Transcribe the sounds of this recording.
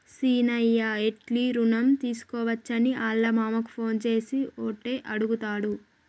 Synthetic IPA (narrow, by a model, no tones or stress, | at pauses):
siːnɐjːɐeʈliɾunɐmt̪iːsu̥kɔːʋɐt͡ʃːɐniʔaːlːɐmaːmɐku̥pʰo̞ːnt͡ʃe̞ːsioːʈːeːʔɐɽuɡut̪aːɽu